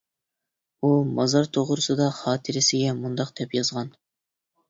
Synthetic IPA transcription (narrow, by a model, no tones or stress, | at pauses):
umɑzɑɾt̪ʰoʁɾʊsɨd̪ɑχɑːt̪ʰɪɾɪsɪɡʲɛmund̪ɑqd̪̥ɛpjɑzʁɑn